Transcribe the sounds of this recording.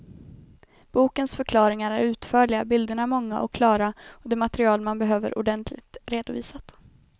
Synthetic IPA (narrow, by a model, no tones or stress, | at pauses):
b̥uːkənsfœɾkʰlɑːɾɪŋaɾæɾʉ̟ːt̪fœːɭɪabɪld̪əɳamɔŋːa̰ʔɔ̰kːʰlɑːɾaɔd̪ɛːmat̪ɾɪɑːlmanbɛɦøːvə̰ɾʔʊ̰ɖɛnt̪ʰlɪ̰k̚t̪ɾeːd̪ʊviːsat̪